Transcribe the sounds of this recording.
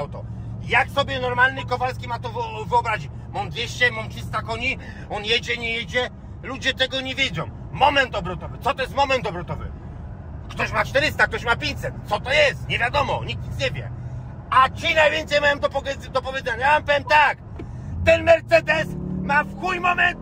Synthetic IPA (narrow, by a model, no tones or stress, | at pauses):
wt̪ɔ̰ | jaksɔbʲjɛnɔɾmalnɨkɔvalskʲimat̪ɔvɨɔbɾaʑit͡ɕ | mɔmd̪vʲjeɕt͡ɕɛmɔmtʂɘst̪akɔɲi | ɔnjɛd͡ʑɛɲɛjɛd͡ʑɛ | lud͡ʑɛt̪ɛɡɔɲɛvʲjɛd͡zɔ̃w̃ | mɔmɛnt̪ɔbɾɔt̪ɔvɘt̪sɔt̪ɔjɛst̪mɔmɛnt̪ɔbɾɔt̪ɔvɘ̰ | kt̪ɔɕmat͡ʂt̪ɛɾɘst̪akt̪ɔɕ̬mapʲjẽɲt͡ɕʲsɛt̪t̪sɔt̪ɔjɛst̪ɲɛvʲjad̪ɔmɔɲik̚t̪ʲisɲɛvʲjɛ̰ | at͡ɕinajvʲjɛnt̪sɛjmajɔmd̪ɔpɔd̪ɔpɔvʲjɛd̪ɛɲajavampɛvɛmt̪ak | t̪ɛnmɛɾt̪sɛd̪ɛsmafxujmɔmɛnt̪